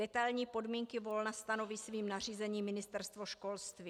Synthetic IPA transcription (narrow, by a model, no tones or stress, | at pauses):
ɛt̪alɲiːpo̞dmiːŋkɪvo̞lnast̪ano̞viːsviːmnariːzɛɲiːmɪnɪst̪ɛɾst̪vo̞ʃko̞lst̪viː